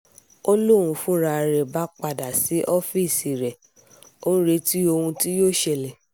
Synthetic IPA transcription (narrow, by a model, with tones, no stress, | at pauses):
o˦lo˦˨ɾ̃ũ˧fũ˦ɾa˧ɾɛ˨ba˦k͡pa˨da˨si˨˦ʔɔ˦fi˦˨si˨ɾɛ˨ | õ˦ɾe˨˧˦ti˦o˧hũ˧ti˦joː˦˨ʃɛ˧˨lɛ˨